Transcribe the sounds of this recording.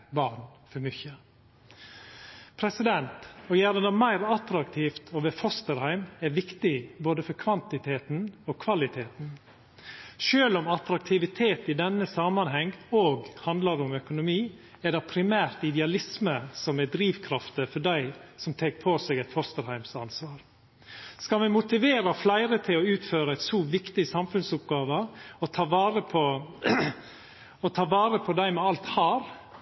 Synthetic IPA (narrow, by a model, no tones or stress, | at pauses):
bɑːɾnfɔɾmʏçə | pʰɾɛsɪd̪ɛnt̪ɔjæɾənəmæɪɾɑt̪ɾɑkt̪ʰiːft̪ʰɔʋɛfɔst̪əɾhæɪmɛɾʋɪkt̪ɪboːd̪əfɔɾkʰʋɑnt̪ɪt̪ʰeːt̪noːkʰʋɑlɪt̪ʰeːt̪n̩ | ʃøːlɔmɑt̪ɾɑk̚t̪ʰɪʋɪt̪ʰeːt̪ɪd̪ɛnːəsɑmɑnɦɛŋoːɡhɑnd̪ləɾʊmœkʊnʊmiː | ɛd̪ɛpʰɾɪmæːɾt̪ɪd̪ɛɑlɪsməsɔmɛd̪ɾiːʋkʰɾɑft̪əfɔɖæɪsɔmt̪ʰeːk̚pʰoːsɛːɡɛt̪fɔɾst̪əɾhæɪmsɑnsʋɑːɾ | skɑlmɛmʊt̪ɪʋeːɾəflæɪɾət̪ʰɪlɔʉːt̪føːɾəæɪt̪suːʋɪkt̪ɪsɑmfʉnsʊpɡɑːʋəɔt̪ʰɑːʋɑːɾəpʰɔ | ɔt̪ʰɑːʋɑːɾəpʰɔd̪æɪmɛɑlt̪hɑːɾ